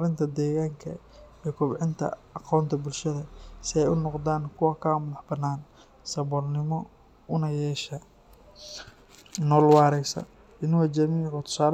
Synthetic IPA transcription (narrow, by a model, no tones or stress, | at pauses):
ɾɪnt̪ʰɐd̪ɛːɣaːŋkʰɐ̰ | ikʰɔbʕɪnt̪ʰɐ̰ | ɑqɔːnt̪ʰɐbʊlʃɐðɐsɪɛjʊnɔqd̪aːnkʰʊwɑkʰamʊðɐħbɐnːaːn | sɐβɔlnɪmɔ | ʊnɐjɛːʃɐ | nɔːlwɑːɾɛjsɐ̰ | ɪnʊwɐd͡ʒɐmiːʕʊt̪ʰʊ̥saːl